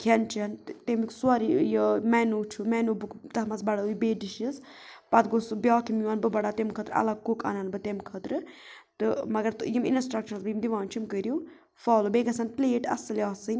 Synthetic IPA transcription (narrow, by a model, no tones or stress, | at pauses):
kʰɐnt͡ʃʰɐnt̪emiksuaɾijəmɛːnut͡ʃʰumɛːnuːbɨkt̪ɐɦmɐsbɐɽaujbeːɖiʃiz | pɐt̪ɡosɨbʲjaːkʰimjuɐnbɨbɐɽat̪emkʰət̪ɾɐ̰lɐɡ̚kokɐ̰nɐnbɨt̪emkʰət̪ɾɨt̪ɨmɐɡɐɾt̪ɨjimḭnsʈɾɐkt͡ʃʰɐnsbjimd̪iʋaːnt͡ʃʰimkəɾuw | faːlobeːɡɐsɐnpleːʈɐ̰sɨlʲaːsɨnʲ